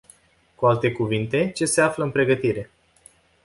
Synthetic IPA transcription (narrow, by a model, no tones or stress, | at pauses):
kualt̪e̞kuvint̪e̞t͡ʃe̞se̞afləɨnpɾe̞ɡət̪iɾe̞